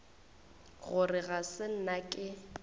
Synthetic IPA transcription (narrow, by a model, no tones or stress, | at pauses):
ɣʊrɪɣasɪn̩nakʼɪ